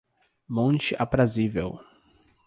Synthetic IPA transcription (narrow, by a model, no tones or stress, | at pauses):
mõnt͡ʃɪʔapɾazivew